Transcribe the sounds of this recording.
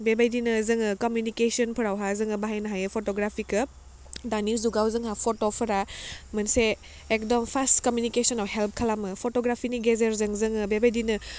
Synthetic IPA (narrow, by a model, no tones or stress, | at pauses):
bebajdinɯzɯŋɯkomjunikesiɔnpʰɯɾawɦazɯŋɯbaɦajnɐɦajɯpʰotoɡɾapʰikɯ | danizuɡawzɯŋɦapʰotopʰɐɾamɐnse | ek̚dɔmpʰastkɔmjunikesɔnɔwɦelp̚ʰkʰalamɯpʰotoɡɾapʰiniɡezɐɾzɯŋzɯŋɯbebajdinɯ